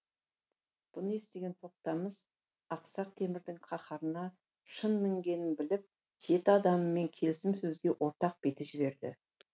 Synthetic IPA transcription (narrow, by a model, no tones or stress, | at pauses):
b̥ʊnəe̞st̪e̞ɡʲe̞nt̪ʰo̞q̚t̪ɑməz̥ | ɑqsɑq̚t̪ʰe̞mɪɾd̪ɪŋqʰɑχɑɾənɑ | ʃənmɪŋɡʲe̞nɪnbɪlɪp̚ | ʒ̥e̞t̪ɪɑd̪ɑməːe̞ŋkʲʰe̞lɪsɪmsɵzɡʲe̞ʔwʔo̞ɾt̪ɑq̚b̥e̞t̪ɪʒɪβe̞ɾd̪ɪ̰